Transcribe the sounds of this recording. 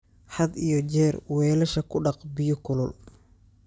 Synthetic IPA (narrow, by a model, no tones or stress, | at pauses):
ħɑd̪ijɔt͡ʃɛːrwɛːlɐʃɐkʰʊɖɑqbɪjʊkʰʊlʊl